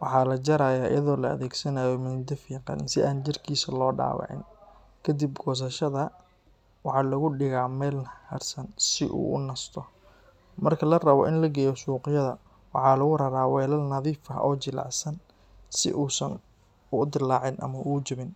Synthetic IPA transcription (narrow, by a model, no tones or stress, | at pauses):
wɑħɑːlɐt͡ʃɐɾaːjaːʔɪ̰jɐðɔːlɐɐ̰ðɛːɡsɐnaːjɔmɪnd̪ɐfiːŋqɑ̰nɪ̰nsɪʔaːnt͡ʃɪrkʰiːsɐlɔːɖa̰ːwɑ̰ʕɪ̰n | kʰɐd̪ibɡɔːs̬ɐʃɐðɐ | wɑħɑːlɐɣʊɖɪɣaːmɛːlhɐrsɐnsɪʔṵːʔʊnɐst̪ʰɔ | mɐrkʰɐlɐrɐβɔ̰ʔɪnlɐɡɛːjɔsuːqɪjɐðɐ | wɑ̰ħɑːlɐɣʊɾɐɾaːwɛːlɐlnɐðiːfɐ̰ʔɔːt͡ʃɪlɑ̰ʕsɐn | sɪ̰ʔuːsɐ̰n | ʊd̪ɪlːaːʕɪnʔɐ̰mɐʔut͡ʃɪβɪn